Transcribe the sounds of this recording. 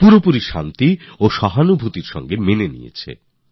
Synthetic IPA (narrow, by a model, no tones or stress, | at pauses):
puɾopuɾiʃa̰nt̪ioʃɔɦanubʱut̪iɾʃɔ̰ŋɡemenenḭjḛt͡ɕʰḛ